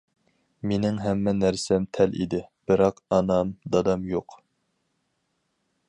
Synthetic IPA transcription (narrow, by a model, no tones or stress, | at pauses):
menɪŋɦɛmːɛnæɾsɛmt̪ʰɛlḭd̪ɪb̥ɪɾɑqɑnɑmd̪ɑd̪ɑmjoq